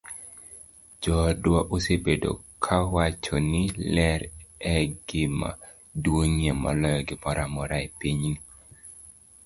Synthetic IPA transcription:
d͡ʒɔdwɔʔosebedo̰kʰawat͡ʃonɪlɛɾɛɡɪma̰ | dwoŋiemɔ̰lɔjɔɡɪmɔɾamɔɾaepiɲ

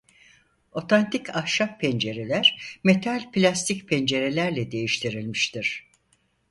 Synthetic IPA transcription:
o̞t̪ʰant̪ʰikʰahʃap̚pʰend͡ʒe̞ɾe̞lʲæɾme̞t̪ʰalʲpilʲast̪ʰicpʰend͡ʒe̞ɾe̞lʲæɾlʲɛd̪e̞jiʃt̪ʰiɾilʲmiʃt̪ʰiɾ̥

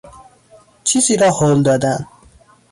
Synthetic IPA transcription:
t͡ʃʰiːziːɾɒːhoːld̪ɒːd̪æn

